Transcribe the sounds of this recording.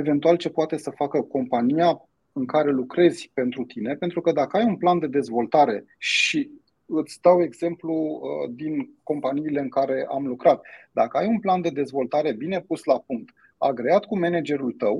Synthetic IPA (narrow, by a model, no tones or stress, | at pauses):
eve̞nt̪ualt͡ʃe̞poat̪e̞səfakəko̞mpanija | ɨŋkaɾe̞lukɾe̞z̥ʲpe̞nt̪ɾut̪ine̞pe̞nt̪ɾukəd̪akəajunpland̪e̞d̪e̞zvo̞lt̪aɾe̞ | ʃi | ɨt̪sʲd̪awe̞ɡz̥e̞mplud̪inko̞mpaniːle̞ɨŋkaɾe̞ʔamlukɾat̪̚d̪akəajunpland̪e̞d̪e̞zvo̞lt̪aɾe̞bine̞puslapuŋk̚t̪ | a̰ɡɾe̞at̪kume̞ned͡ʒe̞ɾult̪əw